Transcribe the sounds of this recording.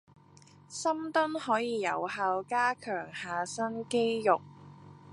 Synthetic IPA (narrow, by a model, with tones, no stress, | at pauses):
sɐ˥mt̪ʊ˥nhɔː˨˥jiː˨˧jɐ̰˨˩whaː˧wkaː˥kʰœː˨˩ŋhaː˨sɐ˥nke˥jjʊ˨k̚